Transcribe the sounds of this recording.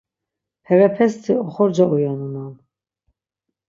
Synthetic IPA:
hɛvɛpʰɛst̪ʰiɔχɔɾd͡ʒaujanunan

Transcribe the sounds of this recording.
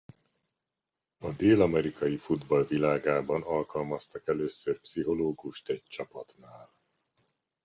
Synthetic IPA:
ɒd̪eːlɒmɛɾikɒjifud̪bɒlvilaːɡaːbɒnɒlkɒlmɒst̪ɒkɛløːsørpsiɦo̞loːɡuʃt̪ɛɟ̚t͡ʃɒpɒt̪naːl

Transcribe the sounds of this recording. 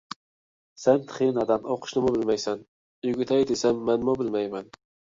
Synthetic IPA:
sant̪ʰɨ̥χinad̪anoqʰʊ̥ʃnɪmʊbɪlmajsan | jʊɡʲɪt̪ʰajd̪esamːanmʊbɪlmajman

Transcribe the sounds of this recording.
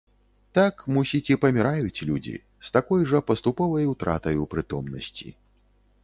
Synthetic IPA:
t̪akmusʲit͡sʲipɐmʲiɾajut͡sʲlʲud͡zʲḭ | st̪akɔjʐɐpɐst̪upɔvɐjut̪ɾa̰t̪ɐjupɾɨt̪ɔmnɐ̰sʲt͡sʲḭ

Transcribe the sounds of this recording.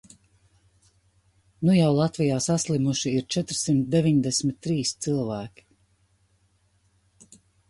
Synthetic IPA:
nujawlˠat̪vijaːsaslimuʃiiɾt͡ʃɛt̪ɾsimt̪d̪evʲiɲd̪ɛsmit̪ːɾiːst̪silˠvæːkʲi̥

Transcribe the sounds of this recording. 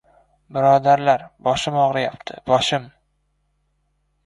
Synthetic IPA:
bɪɾɒd̪aɾlaɾbɒʃɪmɒʁɾɪjapt̪ʰɪ̰bɒʃɪm

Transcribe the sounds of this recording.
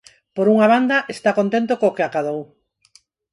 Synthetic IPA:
poɾuŋaβand̪aʔest̪akont̪ent̪okoːkeakað̞ow

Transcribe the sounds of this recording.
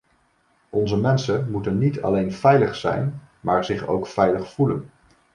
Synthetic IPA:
ɔnzəmɛnsəmutənːitʰɑ̰lejnv̥ɛjləχsɛ̰jn | maːɹzɪχo̰wkfɛjləχfulən

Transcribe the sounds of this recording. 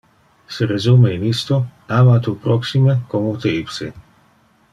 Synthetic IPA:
seɾezumeinist̪oamat̪upɾɔksimekomut̪eipsḛ

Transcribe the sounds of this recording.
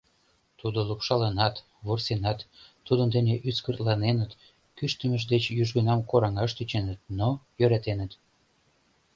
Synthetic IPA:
t̪ud̪olupʃɑlenɑt̪ | βorsenɑt̪ː | ud̪ənd̪eneʔyskərt̪lɑnenət̪ | kyʃt̪əməʒ̬d̪et͡ɕjyʒɣənɑmkoɾɑŋɑʃt̪yt͡ɕenət̪̚nojøɾæt̪enət̪

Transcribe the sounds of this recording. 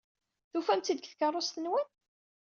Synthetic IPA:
θufæmt̪id̪kθkərˤːosθənwən

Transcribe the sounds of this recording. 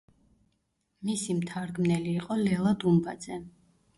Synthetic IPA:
misimt̪ʰaɾɡmnɛliːqʼɔlɛlˠad̪umba̰d̪zɛ

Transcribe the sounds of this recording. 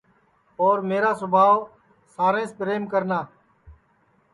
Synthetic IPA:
oːɾmeːɾaːsʊbʱaːʋ | saːɾẽːspɾeːmkəɾnaː

